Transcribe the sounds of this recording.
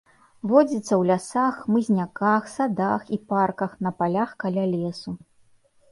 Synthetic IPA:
vɔd͡zʲit̪sːɐwlʲasaxmɨzʲnʲakaxsad̪axiparkɐxnɐpalʲaxkalʲalʲɛsu

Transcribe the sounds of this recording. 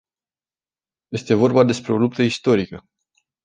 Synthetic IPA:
je̞st̪e̞vo̞rbad̪e̞spɾe̞o̞lup̚t̪əist̪o̞ɾikə

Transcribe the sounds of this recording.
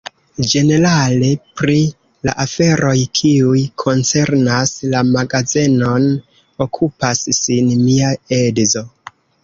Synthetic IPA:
d͡ʒe̞ne̞ɾale̞pɾi | la̰ʔafe̞ɾʔo̞jkʰiujkʰo̞nt͡se̞ɾnaslamaɡazino̞n | o̞kʰupasːinmiae̞dzo̞

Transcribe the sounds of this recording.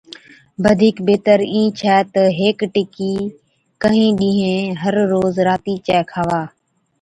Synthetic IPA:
bəd̪ʱiːkbeːt̪əɾĩːt͡ʃʰɛːt̪əɦeːkʈɪkiː | kəɦĩːɗĩːɦẽːɦəɾːoːzɾaːt̪iːt͡ʃɛːkʰaːʋaː

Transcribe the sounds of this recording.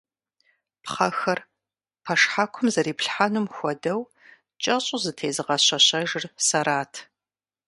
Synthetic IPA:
pχɐxɐr | pʰɐʂħaːkʷʰʊmzɐɾiːpɬħanʊmxʷɔdɐw | t͡ʃʼɐɕʼʊzɨtʰeːzɨʁɐɕɐɕɐʒɪrsɐɾaːtʰ

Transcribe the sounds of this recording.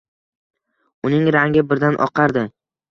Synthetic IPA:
ʊnɪŋɾaŋʲɪbɪɾd̪anʔɒ̰qʰɑɾd̪ɪ

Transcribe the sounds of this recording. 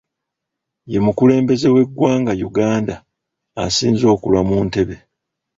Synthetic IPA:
je̞mukule̞ːmbe̞ze̞we̞ɡwaːŋɡajuɡaːnda̰ː | siːnzo̞ːkulwamuːnte̞βe̞

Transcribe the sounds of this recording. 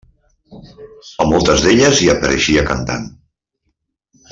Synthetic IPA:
əmɔlˠt̪əzðeʎəziəpəɾʔə̰ʃiəkənt̪a̰n

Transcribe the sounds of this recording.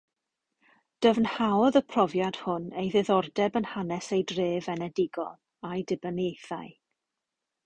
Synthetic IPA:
d̥əvnhaɔðəpʰrɔvjad̥hʊnejðɪðɔrdɛbənhanɛsejdreːvɛnɛdɪɡɔ̰l | ajdɪbənejθaɨ

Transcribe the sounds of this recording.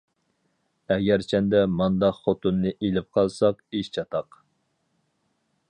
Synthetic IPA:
ɛɡʲæɾt͡ʃʰɛnd̪ɛmɑnd̪ɑqχot̪unːɨʔelɪp̚qʰɑlˠsɑqiʃt͡ʃʰɑt̪ʰɑq

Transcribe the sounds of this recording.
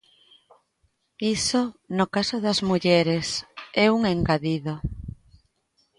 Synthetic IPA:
isonʊkasoðɐzmuʎɛɾesɛuŋeŋɡaðiðo

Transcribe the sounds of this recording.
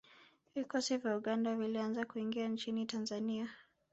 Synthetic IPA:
vikɔsivjauɠandavilianzakuiŋɡiant͡ʃinitanzania

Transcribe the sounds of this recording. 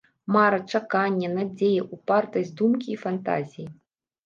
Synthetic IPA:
maɾɐt͡ʂakanʲːɛnad͡zʲejɛʔupart̪ɐzʲd̪umkʲiːfant̪a̰zʲiji

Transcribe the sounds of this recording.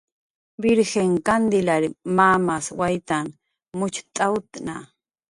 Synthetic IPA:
bɪɾxeŋkand̪ɪlaɾmamaswajt̪an | mʊt͡ʃt̪ʼawt̪na

